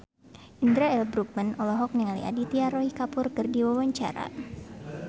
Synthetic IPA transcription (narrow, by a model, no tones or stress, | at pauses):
ind̪ɾaɛlbɾuk̚manɔlɔɦɔk̚niŋalḭʔa̰dit̪iaɾɔhikapʊrkɨrdiwawaɲt͡ʃa̰ɾa̰